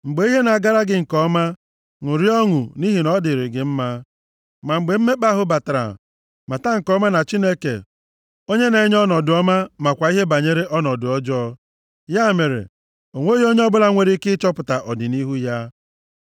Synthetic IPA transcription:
ŋ͡m̩˨ɡ͡be˨˦i˦ɦe˦na˨a˨ɡa˦ɾa˦ɡɪ˦ŋ̩˨kɔ˦ma˦ | ŋʊ˨ɾi˦ɔ˦ŋʊ˨ni˦ɦi˨nɔ˦dɪ˨ɾɪ˨ɡɪ˨m̩˦ma˦ | ma˨ŋ͡m̩˨ɡ͡be˨m̩˦me˦k͡pa˦ɦʊ˦ba˨ta˨ɾa̰˨ | ma˨ta˦ŋ̩˨kɔ˦ma˦na˨t͡ʃi˦ne˦kḛ˨ | o˦ɲe˦ne˨˦ɲ˦ɔ˦nɔ˨dʊ˨˦ɔ˦ma˦ma˨kʷa˨i˦ɦe˦ba˨ɲe˦ɾe˦ʔɔ˦nɔ˨dʊ˨ɔ˦d͡ʒɔ˦ | ja˦˨me˨ɾḛ˨ | o˨ŋʷe˦ji˦o˦ɲe˦ɔ˦bʊ˦la˦ŋʷe˦ɾi˦kɪ˦t͡ʃɔ˦pʊ˨ta˨ʔɔ˨dɪ˨ni˦ɦu˦ja˦

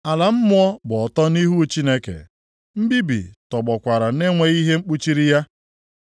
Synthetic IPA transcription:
a˨la˨m̩˦mʊ˦ɔ˦bʊ˨ɔ˨tɔ˦ni˦ɦu˦t͡ʃi˦ne˦kḛ˨ | m̩˦bi˦bḭ˨tɔ˨ɡ͡bɔ˨kʷa˨ɾa˨ne˦ŋʷe˨˦ɣi˦ɦe˦ŋ͡m̩˦k͡pu˦t͡ʃi˦ɾi˦ja˦

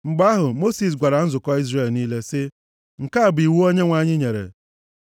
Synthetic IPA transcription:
ŋ͡m̩˨ɡ͡ba˦ɦʊ˨mo˦si˨s̬ɡʷa˨ɾa˨n̩˦zʊ˨kɔ˦i˦zre˨lniː˦le˦sɪ˦ | ŋ̩˨ka˦˨bʊ˨i˨wu˦o˦ɲe˦ŋʷa˨ɲɪ˦ɲe˨ɾḛ˨

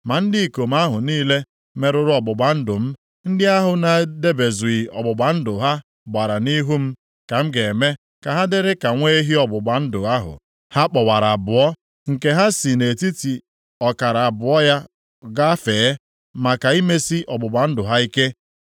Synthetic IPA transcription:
ma˨n̩˦dɪ˦i˨ko˨m̩˦a˦ɦʊ˨niː˦le˦ | me˦ɾʊ˦ɾʊ˦ɔ˨bʊ˨ɡ͡ba˨n̩˦dʊ˨m̩˦ | n̩˦dɪ˦a˦ɦʊ˨na˨de˦be˨zu˨i˨ɔ˨ɡ͡bʊ˨ɡ͡ba˨n̩˦dʊ˨ɦa˦ | ɡ͡ba˨ɾa˨ni˦ɦu˦m̩˦ | ka˨m̩˦ɡe˨me˦ | ka˨ɦa˦dɪ˦ɾɪ˦ka˨ŋʷe˦ɦi˦ɔ˨bʊ˨ɡ͡ba˨n̩˦dʊ˨a˦ɦʊ̰˨ | ha˦k͡pɔ˨wa˨ɾa˨a˨bʊ˨ɔ˦ | ŋ̩˨ke˦ɦa˦si˨ne˨ti˦ti˨ | ɔ˨ka˨ɾa˨a˨bʊ˨ɔ˦ja˦ | ɡa˦feː˨˦ | ma˨ka˨i˦me˦si˦ʔɔ˨ɡ͡bʊ˨ɡ͡ba˨n̩˦dʊ˨ɦa˦i˦ke˦

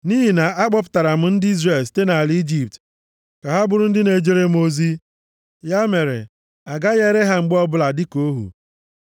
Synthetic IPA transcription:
niː˦ɦi˨na˨a˦k͡pɔ˦p̬ʊ̥˦ta˨ɾa˨m̩˦n̩˦di˦zre˨lsi̥˨te˦na˨li˦d͡ʒi˦p̚t | ka˨ɦa˦bʊ˨ɾʊ˦n̩˦dɪ˦ne˨d͡ʒe˦ɾe˦m˦o˦zi˦ | ja˦me˨ɾḛ˨ | a˨ɡa˦ɣe˦ɾe˦ɦa˦ŋ͡m̩˨ɡ͡bɔ˦bʊ˦la˨dɪ˦ko˦ɦṵ˨

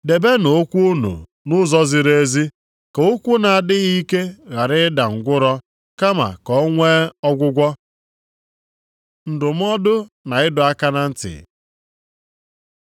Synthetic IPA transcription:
de˨be˦n˨o˦kʷu˦o˦nṵ˨ | nʊ˦zɔ˦zɪ˨ɾe˦zi˦ | kɔ˨o˦kʷu˦na˨a˨dɪ˦ɣi˦ke˦ɣa˨ɾɪ˦da˨ŋ̩˨ɡʷʊ˦ɾɔ˦ | ka˦ma̰˨kɔ˦ŋʷe˦ɔ˦ɡʷʊ˦ɡʷɔ˦ | n̩˨dʊ˨m̩˦ɔ˦dʊ˦ | na˨ɪ˦dʊ˨a˦ka˦na˨n̩˦tɪ̰˨

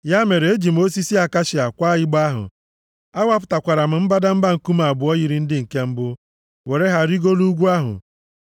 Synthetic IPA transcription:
ja˦me˨ɾe˨e˦d͡ʒi˨m̩˦o˦si˦si˦a˨ka˦ʃɪ˨a˨kʷa˦jɪ˦ɡ͡ba˦ɦʊ̰˨ | a˦wa˦p̬ʊ̥˨ta˨kʷa˨ɾa˨m̩˨m̩˦ba˦da˦m̩˦ba˦ŋ̩˨ku˦m˦a˨bʊ˨ɔ˦ɣi˦ɾi˨n̩˦dɪ˦ŋ̩˨ke˦m̩˦bʊ˦ | we˨ɾe˦ɦa˨ɾi˦ɡo˦lu˦ɡʷu˦a˦ɦʊ̰˨

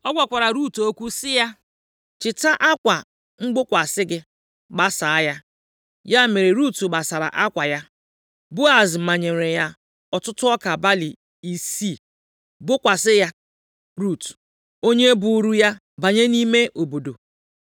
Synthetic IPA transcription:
ɔ˦ɡʷa˨kʷa˨ɾa˨ɾu˦˨to˦kʷu˦sɪ˦ja˦ | t͡ʃɪ˨ta˦ʔa˦kʷa˨ | ŋ͡m̩˦ɡ͡bʊ˦kʷa˨sɪ˦ɡɪ˦ | ɡ͡ba˨sa˨a˦ja˦ | ja˦me˨ɾe˨ɾu˦tu˨ɡ͡ba˨sa˨ɾa̰˨ʔa˦kʷa˨ja˦ | bʊ˦a˨zma˨ɲe˨ɾe˨ja˦ | ɔ˨tʊ˦tʊ˦ɔ˦ka˨ba˦li˨ | i˨si˦˨ | bʊ˦kʷa˨sɪ˦ja˦ | ɾu˦˨t | o˦ɲe˦bʊ˨˦ɾu˦ja˦ | ba˨ɲe˦ni˦me˦ʔo˨bo˨do̰˨

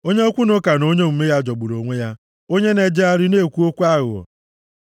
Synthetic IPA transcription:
o˦ɲe˦o˦kʷu˦nʊ˦ka˨no˦ɲe˦m̩˨me˦ja˦d͡ʒɔ˨ɡ͡bʊ˨ɾo˨ŋʷe˦ja˦ | o˦ɲe˦ne˨d͡ʒe˦a˦ɾɪ˦ne˦˨kʷu˦o˦kʷu˦a˦ɣʊ̰˨ɔ̰˨

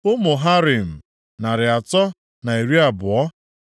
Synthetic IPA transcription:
ʊ˦mʊ˨ɦa˦ɾɪ˨m̩˨ | na˨ɾɪ˨a˨tɔ˦ | na˨i˨ɾi˦a˨bʊ˨ɔ˦

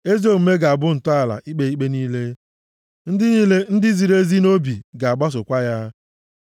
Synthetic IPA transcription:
e˦zo˦˨m̩˦me˦ɡa˨a˨bʊ˦n̩˨tʊ˦a˨la̰˨ʔi˦k͡pe˨i˦k͡pe˦niː˦le˦ | n̩˦dɪ˦niː˦le˦n̩˦dɪ˦zi˨ɾe˦zi˦no˦bi˨ɡa˨a˨ɡ͡ba˦s̬ʊ˨kʷa˦ja˦

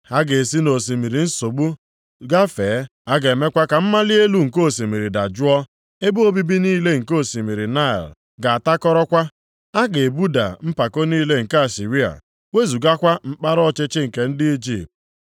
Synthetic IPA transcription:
ha˦ɡe˨si˦no˨s̬i˨mi˨ɾi˨n̩˦so˨ɡ͡bu˦ | ɡa˦feː˨˦a˦ɡe˨me˦kʷa˦ka˨m̩˦ma˦li˦e˦lu˦ŋ̩˨ko˦˨si˨mi˨ɾi˨da˨d͡ʒu˦ɔ˦ | e˦bu˦o˦bi˦bi˦niː˦le˦ŋ̩˨ko˦˨si˨mi˨ɾi˨na˦ɛ̰˨l | ɡa˨a˨ta˦kɔ˦ɾɔ˦kʷa˦ | a˦ɡe˨bu˦da̰˨m̩˦pa˨ko˦niː˦le˦ŋ̩˨ka˦a˨si˨ɾi˦a̰˨ | we˦zu˨ɡa˦kʷa˦m̩˦k͡pa˦ɾɔ˦˨t͡ʃɪ˦t͡ʃɪ˦ŋ̩˨ke˨n̩˦dɪ˦i˦d͡ʒi˦p̚t

